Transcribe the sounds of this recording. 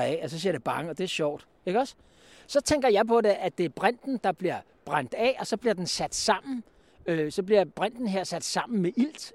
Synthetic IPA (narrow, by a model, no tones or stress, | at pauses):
ɛɒsɒ̽siɐd̥eb̥ɑ̈ŋəɒ̽d̥e̝æɐɕɒʊ̰d̥ | e̝ɡ̥əɒ̽s | sɒ̽t͡sʰeŋ̰ɡ̥ɐjɑ̈ɪpʰɒ̽de̝ʔæd̥e̝æɐb̥ʁan̰d̥n̩d̥ɑ̈b̥liɐ | b̥ʁan̰d̥ɛːɒ̽sɒ̽b̥liɐd̥ensæd̥sɑ̈m̰n̩ | øsɒ̽b̥liɐb̥ʁan̰d̥n̩ɦeɐ̰sæd̥sɑ̈m̰n̩meʔil̰d̥